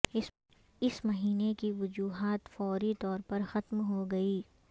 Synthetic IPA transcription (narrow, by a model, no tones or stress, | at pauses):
ɪsmɐɦiːnekiʋʊd͡ʒuːɦaːt̪fɔːɾit̪ɔːɾpɐɾxɐt̪mɦoɡɐiː